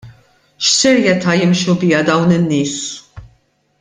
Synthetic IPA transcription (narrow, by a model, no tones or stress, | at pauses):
ʃsɛɾjɛt̪ɐːjɪmʃubɪjɐd̪ɐwnɪnːɪːs